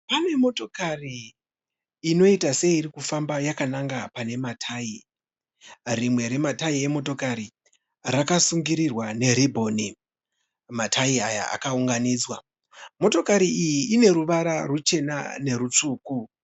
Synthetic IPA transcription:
pane̞mo̞to̞kari | no̞itase̞iːɾikufambajakanaŋɡapane̞matʰaːi | rimwe̞ɾe̞mataie̞mo̞to̞kaɾi | rakasuŋɡiɾirwane̞ɾibʱo̞ni | matʰaiaja̰a̰kauŋɡaniːd͡zwa | mo̞to̞kaɾiijiʔine̞ɾuʋaɾarut͡ʃe̞na̰ne̞ɾut͡ʂuːku

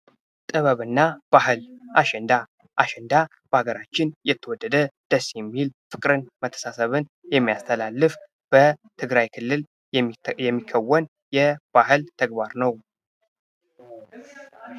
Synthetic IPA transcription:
t̪ʼɨβəβɨnːab̥ahɨlʔaʃɛnd̪a | ʔaʃɛnd̪a | b̥əaɡəɾat͡ʃːɪnjɛt̪ʰːəwɔd̪ːəd̪əd̪̥əsjɛmːilfɨkʼɾɨnmət̪ʰːə̥sasəβɨnjɛmːijast̪ʰəlalːɨf | b̥ət̪ʰɨɡɾajkʰɨlːɨl | jɛmːikʰːəwːən | jɛb̥aɦɨlt̪ʰəɡbaɾnəw

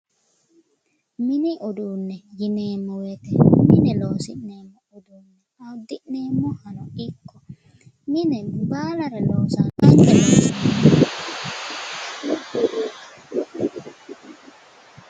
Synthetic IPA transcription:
mɪnɛʔɔd̪uːnːɛjɪneːmːɔwɛt̪ɛmɪnɛloːsɪʔneːmːɔʊd̪uːnːɛ | ɐwd̪ːɪʔneːmːɔhɐnɔɪkːɔ̥ | mɪnɛbaːlɐɾɛloːsanɐkːɛloːsɪnɛmɔ

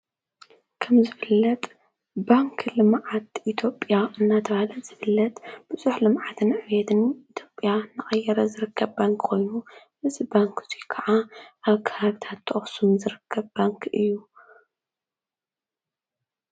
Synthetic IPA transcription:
kʰɐmzɨfɨlːɐt̪ʼ | baŋkʰlɨmʕat̪ʔit̪ʰjo̞pʼjaʔɨnːat̪ʰɐβalɐz̥ɨfɨlːɐt̪b̥ɨzuħlɨmʕat̪ʰɨnʕɨβjɛt̪ʰɨnit̪ʰjo̞pʼjanɨxʼɐjːɛɾɐzɨɾɨkʰːɐβbaŋkkʰo̞jnu | ɨzibaŋkʰɨz̥ikʰɐʕaʔaβkʰɐβaβɨt̪ʰat̪ʰːɐχʼsumzɨɾɨkʰːɐβbaŋkʰɨjːu

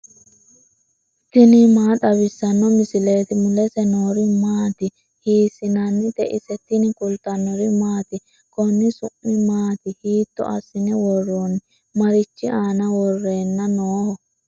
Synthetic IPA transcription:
t̪ɪnɪmaːᶑ̪ɐβɪsːɐnːɔmɪsɪleːt̪ɪmʊlɛsɛnoːɾɪmaːt̪ɪ | hiːsɪnɐnːɪt̪ɛʔɪsɛt̪ːɪnɪkʊlt̪ɐnːɔɾɪmaːt̪ɪ | kɔnːɪsʊʔːɪmaːt̪ɪhiːt̪ːɔ̰ʔɐ̰sːɪnɛwɔrːonɪ | mɐɾɪt͡ʃːɪaːnɐwɔrːeːnːɐnoːhɔ

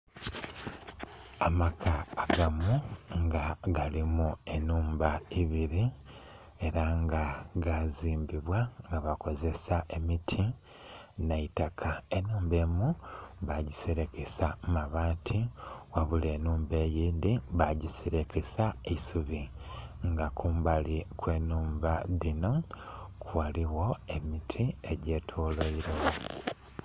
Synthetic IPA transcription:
amakʰaːɡamuŋɡaɡalimue̞nuːmbaiβiɾi | e̞ɾaŋɡaɡaziːmbiβwaŋɡaβako̞ze̞saʔe̞mitʰi | naitakʰae̞nuːmbe̞ːmuβaɟiseɾe̞kesamaβaːtʰiwaβule̞ːnuːmbe̞ːjiːndiβaɟiseɾe̞kesaeisuβiŋɡakuːmbalikwe̞ːnuːmbaðino̞kwaliwo̞e̞mitʰie̞ɟe̞ːtʰoːleiɾewo

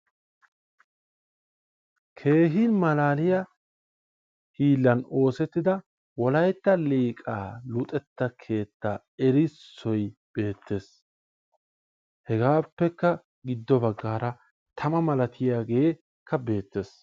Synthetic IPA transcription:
kʰe̞ːɦinmɐlaːlɪjɐ | hiːlːɐno̞ːsɛt̪ːɪd̪ɐ | wɔlɐjt̪ːɐliːkʼa̰ːlʊt̪ʼɛt̪ːɐkʰe̞ːt̪ːaː | ɛɾɪsːɔjb̥e̞ːt̪ːe̞ːs | hɛɡaːpːɛkːɐ | ɡɪd̪ːɔbɐɡːaːɾɐ | t̪ʰɐmɐmɐlɐt̪ʰɪjaːɡe | kʰːɐbe̞ːt̪ːe̞ːs

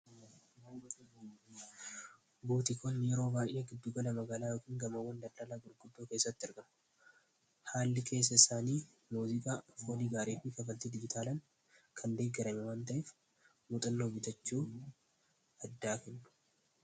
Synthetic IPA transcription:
buːt̪ɪkʰɔnːjɛɾo̞ːbaːjʔeɡɪd̪ːuːɡɐlɐmɐɡaːlaːjoːkiːŋɡɐmɐwːɐnd̪ɐld̪aːlaːɡʊɾɡʊd̪ːoːke̞ːsːɐt̪ːɪɪɾɡɐm | haːlːɪkʰe̞ːs̬ːɐɪsaːniː | muːzɪkʼaːfoːliːɡaːɾeːfiːkɐfɐlt̪id̪ɪd͡ʒɪt̪ʰaːlɐn | kʰɐnd̪eːɡɛɾɐmɛwaːnt̪ɐʔeːf | mʊt̪ʼɐnːoːbɪt̪ɐt͡ʃːuː | ɐd̪ːaːkɛnːʊ̥

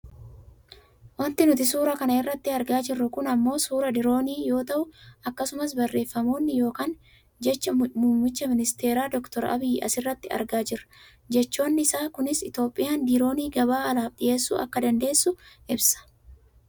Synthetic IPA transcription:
wɐnt̪ɪnʊt̪ɪs̬uːɾɐkɐnɐɪrːɐt̪ːɪɐɾɡaːd͡ʒɪrːʊkʊnɐmːo̞ːsuːɾɐd̪ɪɾo̞ːniːjo̞ːt̪ɐʔʊɐkːɐsʊmɐs̬bɐrːe̞ːfːɐmoːnːɪjo̞ːkaːn | d͡ʒɛt͡ʃːɐmuːmmːɪt͡ʃːɐmɪnɪst̪e̞ːɾaːd̪ɔkt̪ɔɾɐ̰bɪjʔɐ̰sɪrːɐt̪ːɪɐ̰ɾɡaːd͡ʒɪrːɐ̥ | d͡ʒɛt͡ʃːo̞ːnːɪɪsaːkʊnɪsɪt̪o̞ːpʼːɪjaːnd̪ɪɾo̞ːniːɡɐβaːɐlaːfᶑɪje̞ːsːṵːʔɐ̰kːɐd̪ɐnd̪e̞ːsːʊʔɪbsɐ̥

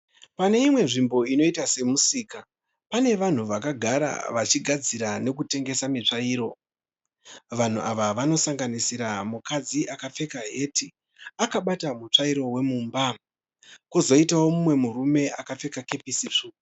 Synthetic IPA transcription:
pane̞imwe̞ʐimbo̞ino̞itase̞musiːka | pane̞ʋan̤uʋakaɡʱaɾa̰ʋat͡ʃiɡʱad͡ziɾane̞k̬ute̞ŋɡe̞samit͡ʂaiːɾo̞ | ʋan̤uʔaʋaʋano̞saŋɡanisiɾamukad͡ziʔakap͡fe̞kaɦe̞tʰi | akaɓatamut͡ʂaiɾo̞we̞muːmba | kuzo̞itawo̞mumwe̞murume̞ʔakafe̞kake̞pisiʂu

